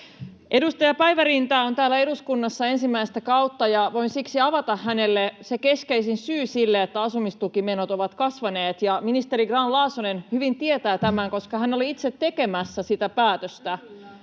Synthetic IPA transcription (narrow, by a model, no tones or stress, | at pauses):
ʔe̞dust̪ɑjɑpæiʋærint̪ɑːo̞nt̪æːlæe̞duskunːɑsːɑe̞nsimːæist̪ækɑut̪ːɑjɑʋo̞insiksiɑʋɑt̪ɑhːænelːeseke̞skeisinsyːsilːeet̪ːæɑsumist̪ukimenot̪o̞ʋɑt̪kɑsʋɑneːt̪jɑminist̪eɾiɡrɑnlɑːsonenhyʋint̪ie̞t̪æːt̪æmæŋko̞skɑhæno̞liit̪set̪ːe̞ke̞mæsːæsit̪æpæːt̪øst̪æ